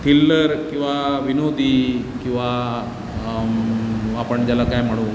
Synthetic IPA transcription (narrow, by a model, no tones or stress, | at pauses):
t̪ʰilːəɾkĩw̃ʋaʋinod̪ʱikĩw̃ʋa | apəɳd͡ʑalakajm̤əɽ̃ũ